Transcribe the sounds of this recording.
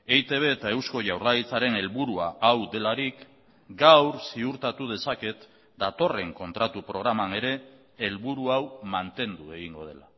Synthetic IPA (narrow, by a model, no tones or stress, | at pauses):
e̞jt̪e̞β̞e̞ːt̪ae̞wsko̞ʝawrajt͡saɾe̞ne̞lβuɾuaʔawd̪e̞laɾik | ɡawɾsiuɾt̪at̪uð̞e̞sake̞t̪ | d̪at̪o̞re̞ŋko̞nt̪ɾat̪upɾo̞ɣ̞ɾamane̞ɾe̞ː | lβuɾuawmant̪e̞nd̪ue̞ɣ̞iŋɡo̞̰ð̞e̞la